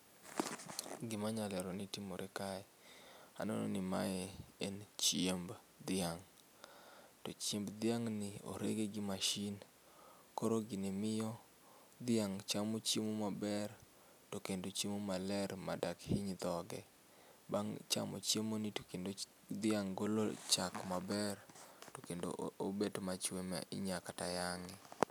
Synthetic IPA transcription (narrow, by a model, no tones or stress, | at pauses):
ɡɪmaɲalɛɾɔnitimoɾʔɛkaɛa̰nɔ̰no̰nɪma̰ɛent͡ʃjemb | d̪ɪaŋ | tot͡ʃjembd̪ɪaŋnɪo̰ɾḛɡeɡɪmaʃin | koɾoɡɪnemɪjɔ | d̪ɪaŋt͡ʃamot͡ʃjemomabɛr | tokendot͡ʃemomalɛɾma̰dakhiɲd̪ɔɡɛ | baŋt͡ʃa̰mo̰t͡ʃjemonikendo | d̪ɪaŋɡolo̰t͡ʃakmabɛrtokendo̰obetomat͡ʃwemɛ̰ʔɪ̰ɲakata̰jaŋɪ